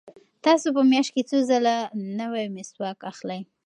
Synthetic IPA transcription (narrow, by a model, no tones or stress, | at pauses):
t̪ɑsopəmjɑʃt̚ket͡sozəlanəwajmɪswɑkaxlaj